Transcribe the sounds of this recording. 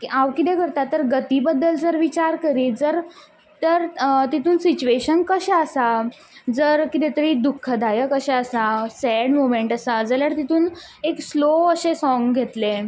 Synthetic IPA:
kiawkit̪ekəɾt̪at̪ːəɾɡət̪ibəd̪ːəld͡zəɾʋit͡ɕaɾkəɾiːd͡zəɾ | t̪əɾt̪it̪ʰuːnsit͡ɕueɕənkəɕɛəsa | d͡zəɾkit̪et̪əɾiːd̪ukʰːəd̪ʱajəkəɕɛəsasɛɽmomeɳʈəsad͡zəljaɾt̪it̪ʰuːn | eksloəɕesɔ̃ŋɡɡʱet̪le

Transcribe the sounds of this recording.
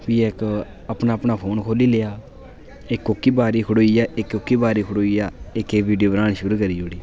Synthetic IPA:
piːek | əpnaːəpnaːpʰoːnkʰoːliːleːaː | ɪkːokːiːbaːɾiːkʰʊɽoːijaːʔɪkːokːiːbaːɾiːkʰəɽoːiːjaːɪkeːbiːɖijoːbɾãːñiʃʊɾuːkəɾiːd͡ʒoːɽiː

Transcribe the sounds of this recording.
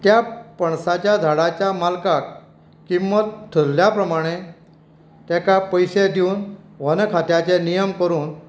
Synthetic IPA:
t̪japəɳsat͡ɕjad͡zʱaɽat͡ɕjamalkak | kimʋət̪ʰːəɾljapɾəmaɽ̃e | t̪jakapəjsed̪iuːn | ʋənkʰat̪jat͡ɕenijəmkəɾuːn

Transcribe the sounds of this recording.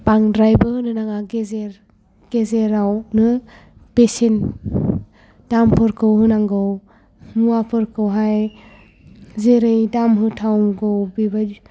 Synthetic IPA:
paŋdɾajbɯhɯnɯnaŋaɡezeɾ | ɡ̥ezeɾawnɯ | pesen | d̥ampʰɯɾkʰɯwhɯnaŋɡɯw | muapʰɯɾkʰɯwɦaj | zeɾɯjdamɦɯtʰawɡɯwbiba

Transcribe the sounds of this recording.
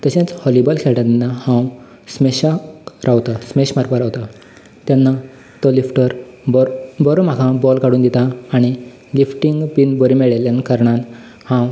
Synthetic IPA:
t̪əɕẽt͡shɔlibəlkʰɛɭʈãnːahãw | smeɕaɾʔawt̪asmeɕmaɾpəɾawt̪a | t̪janːa | t̪ɔlifʈəɾbbəɾom̤akʰãbɔlkaɽuːnd̪it̪aːɽ̃i | lifʈiŋɡpinbəɾimeɭeljankəɾɳan | hãw

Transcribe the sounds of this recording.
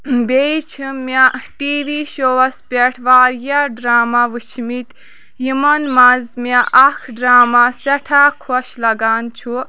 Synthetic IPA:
bejt͡ʃʰɨmaʈiːʋiːʃoʋɐspʲeʈʰʋaːɾjaɖɾaːmaʋɨt͡ʃʰmit̪ | jimɐnmɐzmaʔɐkʰɖɾaːmasɐʈʰaːkʰɔʃlɐɡaːnt͡ʃʰu

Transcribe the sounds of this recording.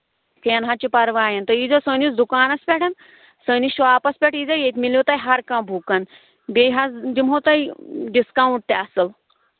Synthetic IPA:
keɐnɦat͡ɕipɐɾʋaːjɐnt̪ɐid͡zɐsənisd̪ukaːnɐspʲɛʈʰɐn | səːniɕʋaːpɐspʲɛʈid͡zɐjet̪ʲmilot̪ajɦɐɾkãːbʱukan | beɦasd̪imɦot̪ajɖiskawɳʈ̚t̪eɐsɐl

